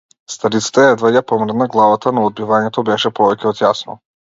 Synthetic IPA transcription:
st̪aɾit̪sḁt̪ɛɛd̪vajapɔmɾɛd̪naɡlˠavat̪anɔɔd̪̚bivaɲɛt̪ɔbɛʃɛpɔvɛcɛɔt̪jasnɔ̰

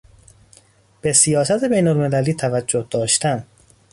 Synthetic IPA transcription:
b̥e̞sijɒːsæt̪ʰe̞bejnolme̞læliːt̪ʰævæd͡ʒːohd̪̥ɒːʃt̪æn

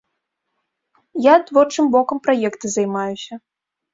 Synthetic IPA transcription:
jat̪vɔrt͡ʂɨmbɔkɐmpɾajɛkt̪ɨzajmajusʲɐ

